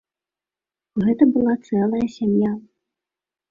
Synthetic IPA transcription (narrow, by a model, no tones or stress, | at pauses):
ɣɛt̪ɐbɨlˠat̪sɛlˠɐjɐsʲamja